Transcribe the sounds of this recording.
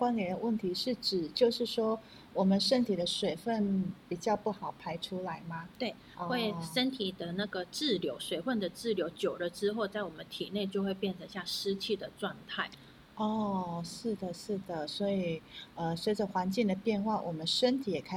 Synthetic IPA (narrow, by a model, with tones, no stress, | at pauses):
kwa˥˦njɛ˨˥nd̪ə˧wə˥˩nt̪ʰi˧˥ʂɻ̩˥˩ʈ͡ʂɻ̩˨˩t͡ɕjo˥˧ʊʂɻ̩˥˩ʂwɔ˥ | wɔ˨˩mə˧˦nʂə˦˥nt̪ʰi˨˩d̪ə˦ʂwe˨˩ɪfə˥˩npi˨˩t͡ɕjɑ˥˧ʊpu˥˩xɑ˨˩ʊpʰa˥ɪʈ͡ʂʰu˥la˧˥ɪma˧t̪we˥˩ɪʔɔ˥˧we˥˩ɪʂə˦˥nt̪ʰi˨˩d̪ə˨na˥˩ɡə˩ʈ͡ʂɻ̩˥˩ljo˧˥ʊʂwe˨˩ɪfə˥˩nd̪ə˩ʈ͡ʂɻ̩˥˩ljo˧˥ʊt͡ɕjo˨˩ʊlə˦ʈ͡ʂɻ̩˥xo˥˧ʊt͡sa˥˩ɪwɔ˨˩mə˦nt̪ʰi˨˩ne˥˧ɪt͡ɕjo˥˧ʊxwe˥˧ɪpjɛ˥˩nʈ͡ʂʰə˧˥ŋɕja˥˩ʂɻ̩˥t͡ɕʰi˥˩d̪ə˩ʈ͡ʂwa˥˧ŋt̪ʰa˥˩ɪ | ɔ˥˩ʂɻ̩˥˩d̪ə˩ʂɻ̩˥˩d̪ə˩swɔ˧˥i˨˩ə˧swe˧˥ʈ͡ʂə˨xwa˧˥nt͡ɕi˥˩ŋd̪ə˩pjɛ˥˧nxwa˥˩wʔɔ˨˩mə˦nʂə˥nt̪ʰi˨˧˥jɛ˨˩kʰa˥